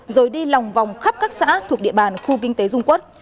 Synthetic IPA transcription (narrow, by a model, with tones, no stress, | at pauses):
zoː˨˩jɗi˧la˨˩wŋ͡mva˨˩wŋ͡mxə˦˥p̚kaː˦˥k̚sa̰ː˧˥t̪ʰu˨˩k̚ɗḭ˧˨əɓaː˨˩nxu˧kï˧ŋ̟t̪e˨˦zʊ˧ŋ͡mku˦˥t̚